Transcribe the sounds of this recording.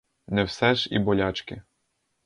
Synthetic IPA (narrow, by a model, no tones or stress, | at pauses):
nɛwsɛʒḭbɔlʲɑt͡ʃkɪ